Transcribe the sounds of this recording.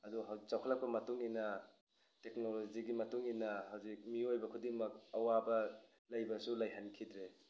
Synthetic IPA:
ɐduɦawt͡ʃawkʰalak̚pɐmɐtuŋinɐ | teknoloziɡimɐtuŋinɐhawzik̚miojbɐkʰudiŋmɐk̚ɐwabɐ | lajbɐsulajɦankʰidɾe

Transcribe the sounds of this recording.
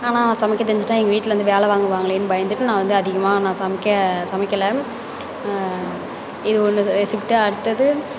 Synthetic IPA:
aːnaːnãːsɐmɪkːɐt̪̬ːɛɲd͡ʒɪʈːãːɛŋɡɐʋiːʈːɪlɐʋɐnd̪ɯʋeːlɐʋaːŋɡɯʋaːŋɡɐɭeːnːɯbɐjɐnd̪ɯʈːɯnãːʋɐnd̪ɯɐðɪɣɐmãːnãːsɐmɪkːɐsɐmɪkːɐlɐ | ɪðɯɔnːɯʋɛsɪpʈːɯɐɽɯt̪ːɐðɯ

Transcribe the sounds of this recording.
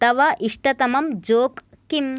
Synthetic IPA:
t̪ɐʋɐʔiʂʈɐt̪ɐmɐmd͡ʒoːkː | im

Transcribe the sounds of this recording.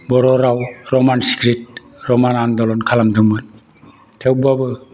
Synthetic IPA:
bɔɾɔɾawɾɔmansi̥kɾit̚ | ɾɔmanandɔlɔnkʰalamdɯmɯn | tʰewbabɯ

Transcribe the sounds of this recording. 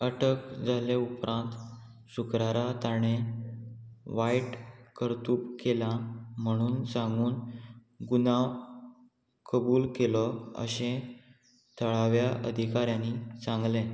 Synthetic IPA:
əʈʰəkd͡zʱaleupɾʔãnt̪ | ɕukɾaɾat̪aɽ̃e | ʋaiʈkəɾt̪uːpkelam̤əɽ̃uːnsãŋɡuːn | ɡunaʋ | kəbuːlkelɔə̰ɕẽ | t̪ʰəɭaʋjaʔə̰d̪ʱikaɾjãnit͡sãŋɡlẽ

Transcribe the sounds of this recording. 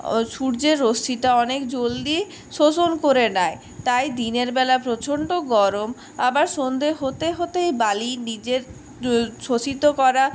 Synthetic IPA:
ʃuɾd͡ʑeɾːosiʈaɔnekd͡ʑold̪i | ʃosonkoɾenae | t̪ajd̪ineɾbɛlapɾot͡ɕʰoɳɖoɡɔɾom | abaɾʃond̪ʱeɦot̪eɦot̪ejbalinid͡ʑeɾ | ʃot͡ɕit̪okɔɾa

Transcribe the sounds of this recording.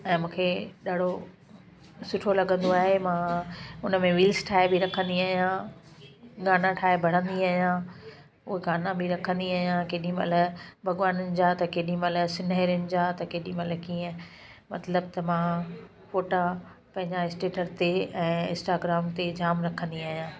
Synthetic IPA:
ɛ̃ːmũːkʰeɗaːɽ̤o | sʊʈʰolɐɠə̃nd̪oaːɦemãːʊnəmẽʋiːlsʈʰaːɦebiɾɐkʰə̃nd̪iaːɦijã | ɡaːnãʈʰaːebʱɐɽ̤ə̃nd̪iaːɦijã | ʊɦeɡaːnãbiɾɐkʰə̃nd̪iaːɦijãkeːɗĩmɐ̰ləbʱɐɡʋaːnənɪ̆d͡ʑaːt̪ɐkeːɗĩmɐləsɪnɦɛɾijʊnɪ̆d͡ʑaːt̪ɐkeːɗĩmɐləkiːə̃ | mɐt̪ləb̚t̪ɐmã | foːʈa | pɐ̃ɦɪ̃ɲd͡ʑaɪsʈeːʈəɾt̪eɛ̃ːɪ̰̃nsʈaːɡɾaːmt̪ed͡ʑaːmɾɐkʰə̃nd̪iaːɦijãː

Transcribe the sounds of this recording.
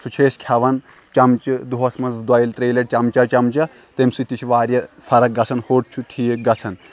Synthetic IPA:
sʰut͡ʃʰeːskʰʲɐʋɐn | t͡ʃɐmt͡ʃɨd̪uɦɐsmɐnzd̪wɐjilt̪ɾeːlɐʈ̚t͡ʃɐmt͡ʃɐt͡ʃɐmt͡ʃɐ | t̪emsɨt̪it͡ʃʰʋaːɾʲjɐpʰɐɾɐk̚ɡɐsʰɐnhoːʈ̚t͡ʃʰuʈʰiːɡɐsʰɐn

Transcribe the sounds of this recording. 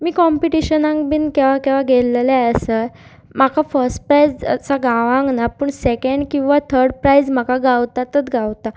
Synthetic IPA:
miːkɔmpiʈiɕənãŋkbinkeʋakeʋaɡʱellaəse | makʰafəɾsʈ̚pɾajd͡zə̰saɡaʋãŋɡnapəːɳsekeɳɖkĩw̃ʋat̪ʰəɾɖpɾajd͡zm̤akaɡawt̪at̪ət̪ɡawt̪a

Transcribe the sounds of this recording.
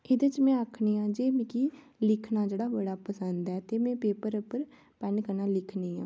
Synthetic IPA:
ed̪et͡ʃmɛ̃ːəkʰɳiːãːd͡ʒeːmɪkiː | lɪkʰnaːd͡ʒeːɽaːʋəɽaːpəsənd̪ɛːt̪eːmɛ̃ːpeːpəɾʊpːəɾ | pɛnkəɾnaːlɪkʰniːã̰ː

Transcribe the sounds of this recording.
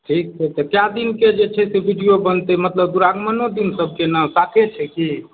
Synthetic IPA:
ʈʰik̚t͡ʃʰɛt̪ɔkjad̪inked͡ʒet͡ʃʰɛsebʱiɖijobənt̪ɛmət̪ləbd̪uɾaɡmənod̪insəb̚ʱkenəsakʰet͡ʃʰɛki

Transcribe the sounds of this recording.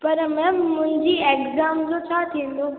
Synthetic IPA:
pɐɾmɛ̃ːmʊ̃ɦɪ̃ɲd͡ʑiːeːkzaːmd͡ʑot͡ɕʰat̪ʰĩːnd̪õ

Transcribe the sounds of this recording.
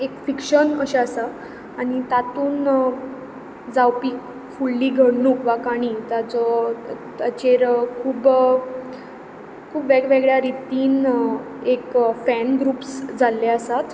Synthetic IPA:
ekfikɕənəɕaəsa | aɽ̃it̪at̪uːn | d͡zawpiːk | fuɭːiːɡʱəɽɳuːkʋakaɽ̃iːt̪at͡sɔt̪ət͡ɕeɾkʰuːb | kʰuːpʋeɡʋeɡɭjaɾit̪iːn | ekfɛnɡɾuːpsd͡zalːeəsat̪

